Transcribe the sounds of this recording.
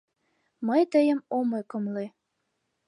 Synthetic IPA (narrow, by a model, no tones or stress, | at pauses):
məjt̪əjə̆momokɤ̆mle